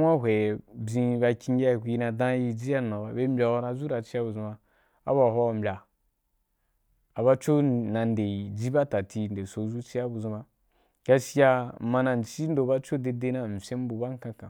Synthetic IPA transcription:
wʷa˦ɦʷe˨bzĩ˧ba˧kʲi˧˦ɡʲa˦˨kʷu˧i˧˦na˧dã˦ji˧d͡ʒi˦ja˦n˨a˨ba˨be˦m̩˦bʲa˧wo˧˦ɾa˧zu˦ɾa˨t͡ʃi˦ja˦bu˨zũ˧ba˧ | a̰˦ba˨ɦʷɔ˦˨m̩˨bʲa˨ | a˨ba˦t͡ʃo˦na˨n˦de˨i˨d͡ʒi˦ba˦ta˨tʰi˧n˨de˨so˨zu˦t͡ʃi˦a˦bu˨zũ˧ba˧ | ɡ̥a˧si˦ja˧mã˧na˨n˨t͡ʃi˦n̩˦do˧ba˦t͡ʃo˦de˧de˧˦nã˨m̩˨sʲẽ˦m˦bu˧ba˦ŋ̩˦kã˧kã˨

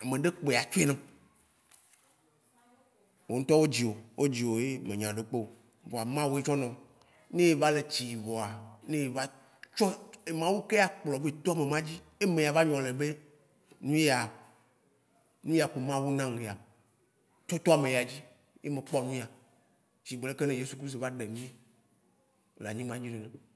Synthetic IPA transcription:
a˨mẽ˨ɖe˦k͡po˨e˨a˨t͡ʃo˦e˦nã˦ | wo˨ŋ̩̃˦t̪ɔ˦wo˦d͡ʑi˨wo˨wo˦d͡ʑi˨wo˨je˦mẽ˨ɲ˨ã˨ɖe˨k͡po˦˨ | vɔ˨a˨mã˦wu˦e˦t͡ʃɔ˦nɔ̃˨ | nẽ˦je˦va˦le˨t͡ɕi˨vɔ˨a˨nẽ˦je˨va˦ | t͡ʃɔ˦e˨mã˦wu˦ke˦a˨k͡plɔ˨ve˦˨t̪o˦a˨me˨mã˦d͡ʑi˦e˦mẽ˨ja˨va˦ɲɔ̃˨le˨be˦ | nũ˦je˦a˨ | nũ˦je˦a˨ku˨mã˦wu˦nã˦ŋɡe˨a˨ | t͡ʃɔ˦t̪o˦a˨mẽ˨ja˨d͡ʑi˦ | je˦mẽ˨k͡pɔ˦nũ˦a˨ | t͡ɕi˨ɡ͡be˨le˦ke˦nẽ˦je˦su˨kɾi˦st̪o˨va˦ɖe˨mĩ˦e˦˨ | la˨ɲĩ˦mã˦d͡ʑi˦nẽ˨ne˨

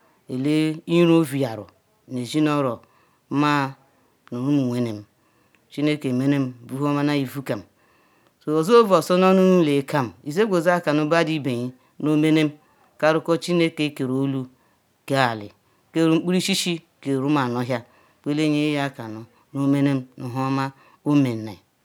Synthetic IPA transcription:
e˨le˦i˦ɾo˦vi˨ja˨ɾʊ̰˨ | ne˨zi˦nɔ˦ɾɔ˨˦ | ma˦ | no˨nu˦mu˨ŋʷe˨ne˨m̩˦ | t͡ʃi˦ne˦ke˨me˦ne˦m̩˦bu˦ɦo˦ma˦na˦i˨vu˦ka˨m̩˨ | so˨o˨zo˦o˦vɔ˨sɔ˦nɔ˦nu˦n˦le˨˦kʰa˦m̩˨i˨ze˦ɡʷo˨za˦˨ka˨nu˦ba˦di˦be˨ɲi˦ | no˦me˦ne˦m̩˦ | ka˦ɾʊ˦kɔ˦t͡ʃi˦ne˦ke˦ke˨ɾo˦lu˦ | ke˦a˨lɪ̰˨ | ke˦˨ɾu˦ŋ͡m̩˦k͡pu˦ɾi˦ʃi˦ʃi˦ | ke˨ɾu˦ma˨nɔ˦ɦja˦ | k͡pe˦le˦ɲe˦ja˦ka˨nu˨ | no˦me˦ne˦m̩˦nu˨ɦo˦ma˦ | o˦me˨n̩˨na˨

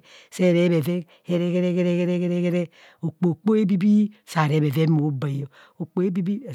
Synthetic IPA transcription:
sɛ˦˨ɾɛ˦βɛ˨vɛ˦ | kɛ˦ɾɛ˦kɛ˦ɾɛ˦kɛ˦ɾɛ˦kɛ˦ɾɛ˦kɛ˦ɾɛ˦kɛ˦ɾɛ˦ | o˨k͡po˨k͡po˦e˦bi˦bi˦sa˨ɾɛ˨˦be˨ve˦mo˨˦ba˨jo˨ | o˨k͡po˦e˦bi˦bi˦˨

